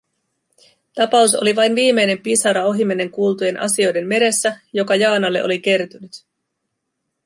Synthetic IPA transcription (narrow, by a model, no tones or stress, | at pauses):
t̪ɑpɑuso̞̰liʋɑjnʋiːme̞jne̞mpisɑɾɑo̞ɦimene̞ŋkuːlt̪uje̞nʔɑ̰sio̞jde̞mːe̞ɾe̞sːæjo̞kɑjɑːnɑlːe̞ʔo̞lik̟e̞rt̪ynyt̪